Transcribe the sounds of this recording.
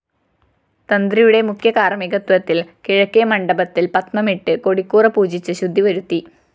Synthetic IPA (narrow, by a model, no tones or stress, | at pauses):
t̪ɐnd̪rijuɽe̞mukʰjɐkaːrɐmiɡɐt̪wɐt̪ːilkiɻɐkːejɐmɐɳɖɐbɐt̪ːilpɐt̪mɐmiʈːɨko̞ɽikːuːrɐpuːd͡ʑit͡ɕːɨɕud̪ʱːiʋɐɾut̪ːi